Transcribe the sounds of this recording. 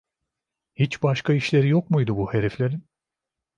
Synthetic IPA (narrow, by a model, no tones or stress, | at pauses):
hit͡ʃbaʃkaiʃlʲe̞ɾijokmujd̪ubuhe̞ɾeflʲe̞ɾin